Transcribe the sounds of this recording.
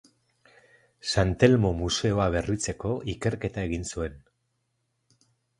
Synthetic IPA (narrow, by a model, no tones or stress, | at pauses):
sant̪e̞lmo̞muse̞o̞aβ̞e̞rit͡se̞ko̞ʔike̞ɾke̞t̪aeɣ̞insue̞n